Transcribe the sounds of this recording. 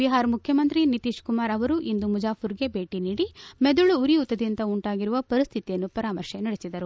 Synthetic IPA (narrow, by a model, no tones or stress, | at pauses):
biɦaːɾɐmukʰjɐmɐnt̪ɾinit̪iːʃkumaːɾɐʋɐɾuʔind̪umud͡ʒaːpuɾɡe̞be̞ːʈiniːɽimed̪uɭuuɾiut̪ːɐd̪int̪ɐuɳʈaːɡiɾuʋɐpɐɾist̪ʰit̪ijɐnːupɐɾaːmɐɾʃenɐɽesid̪ɐɾu